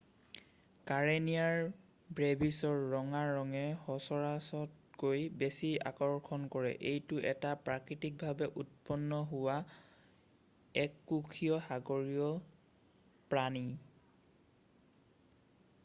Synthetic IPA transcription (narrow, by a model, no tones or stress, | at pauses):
kaɹenijaɹ | bɹebisɔɹːɔŋaːɔŋɛhɔsɔɹasɔt̚ɡojbesia̰kɔɹkʰɔnkɔɹɛ̰ʔejtʊʔɛtapɹakɹitik̚bʱabɛʔut̚pɔnːɔɦʊwa | ɛkːukʰijɔhaɡɔɹijɔ | pɹani